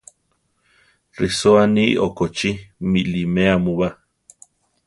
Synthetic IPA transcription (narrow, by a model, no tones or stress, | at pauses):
risoanḭʔokot͡ʃimilimeamuβa